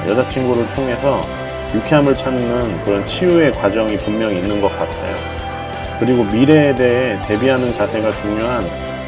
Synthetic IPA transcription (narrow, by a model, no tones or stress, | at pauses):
jʌd͡ʑat͡ɕʰinɡuɾɯɭtʰoŋɦe̞sʰʌ | jukʰeamɯɭt͡ɕʰanːɯnkɯɾʌnt͡ɕʰijue̞kwad͡ʑʌŋipummjʌŋiːnːɯnɡʌk͈atʰḛjo̰ | kɯɾiɡomiɾe̞ːde̞ɦe̞te̞biɦanɯnt͡ɕasʰe̞ɡat͡ɕuŋɲjoɦan